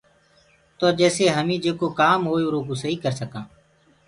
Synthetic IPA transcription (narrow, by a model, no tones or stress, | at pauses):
t̪oːd͡ʒɛːseːɦəmĩːd͡ʒeːkoːkaːmɦoːjoːɾoːkuːsəɦiːkəɾsəkãː